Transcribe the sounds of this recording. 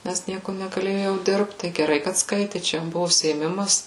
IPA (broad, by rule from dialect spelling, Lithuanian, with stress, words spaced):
nʲɛs ˈnʲiɛkʊ nʲɛɡɐˈlʲeːjʊ jɛʊ ˈdʲɪrpt tɐɪ ɡʲɛˈrɐɪ kɐt ˈskɐɪtʲɪ ˈt͡ʃʲɛ jɛm ˈbʊʋʊ ʊʃʲsʲɪeːˈmʲɪmɐs